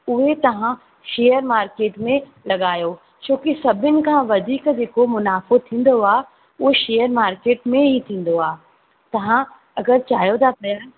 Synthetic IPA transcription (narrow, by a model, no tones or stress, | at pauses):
ʊɦet̪ɐʋ̤ã | ʃeːəɾmaːɾkeːʈmẽ | lɐɠaːjoː | t͡ɕõːkisɐbʱɪnɪ̆kʰãʋɐd̪ʱiːkd͡ʑeːkomʊnaːfot̪ʰĩːn̆d̪oaː | ʊɦeʃeːjəɾmaːɾkeːʈmẽɦit̪ʰĩːn̆d̪oaː | t̪ɐʋ̤ã | ɐɡəɾt͡ɕaːjod̪apɐjaː